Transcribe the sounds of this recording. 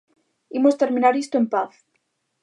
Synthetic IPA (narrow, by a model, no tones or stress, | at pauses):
imost̪eɾmĩnaɾist̪oempaθ